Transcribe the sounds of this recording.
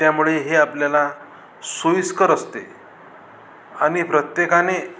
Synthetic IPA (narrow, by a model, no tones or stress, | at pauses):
t̪jamuɭeɦeapljala | sojskəɾəst̪ḛ | aɽ̃ipɾət̪jekane